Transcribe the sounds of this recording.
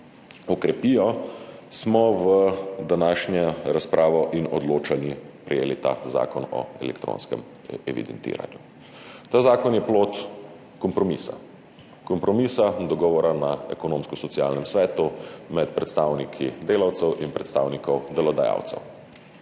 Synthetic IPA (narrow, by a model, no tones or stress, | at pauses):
ɔkɾɛpijɔsmɔʋəd̪anaːʃɲɛɾaspɾʔaːʋɔʔinɔd̪loːt͡ʃanipɾɛjeːlit̪a̰ːza̰ːkɔnɔ̰ɛ̰lɛ̰kt̪ɾo̰ːnskɛ̰m | ɛʋḭd̪ɛnt̪ḭːɾa̰nju | t̪aːzaːkɔnjɛploːt̪ | kɔmpɾɔmisa̰ | kɔmpɾɔmisad̪ɔɡɔːʋɔɾanaɛ̰kɔnoːmskɔsɔtsia̰ːlnɛmsʋɛːt̪umɛt̪̚pɾɛt̪st̪aːwnikʰid̪eːlawt̪sɛwʔinpɾɛt̪st̪aːwnikɔwd̪ɛlɔd̪aja̰wt̪sɛ̰w